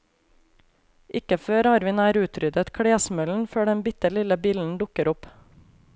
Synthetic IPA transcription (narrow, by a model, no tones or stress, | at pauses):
ʔɪkəføːɾɑɾʋɪnæːɾʉːt̪ʰɾʏd̪ət̪kʰɽeːsmœln̩føːɖɛnbɪt̪əlɪləbiːln̩d̪ʊkəɾʊp